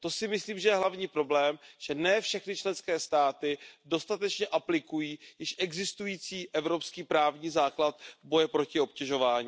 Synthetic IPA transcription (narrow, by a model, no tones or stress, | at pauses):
t̪o̞sɪmɪsliːmʒɛjɛɦlavɲiːpɾo̞blɛːmʒ̥ɛnɛːfʃɛxnɪt͡ʃlɛnskɛːst̪aːt̪ɪdo̞st̪at̪ɛt͡ʃɲɛʔaplɪkujiːjɪʃʔɛɡzɪst̪ujiːt͡siːʔɛvɾo̞pskiːpɾaːvɲiːzaːklat̪̚vbo̞jɛpɾo̞cɪo̞pcɛʒo̞vaːɲiː